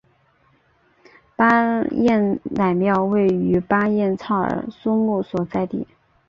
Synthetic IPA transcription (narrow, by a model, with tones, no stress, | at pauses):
pa˥jɛ˥˩nna˨˩ɪmjɑ˥˧ʊwe˥˩ɪy˧˥pa˥jɛ˥˧nt͡sʰɑ˥˩ʊə̰˞˧˥su˥mu˥˩swɔ˨˩t͡sa˥˧ɪt̪ḭ˥˩˦